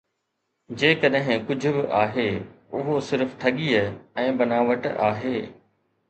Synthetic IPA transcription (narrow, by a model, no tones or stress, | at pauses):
d͡ʑeːkɐɗɦɪ̃kʊd͡ʑʱʊ̆bɪʔaːɦeː | ʊɦosɪɾft̪ʰɐɠiːəɛ̃ːbɐnaːʋəʈaːɦeː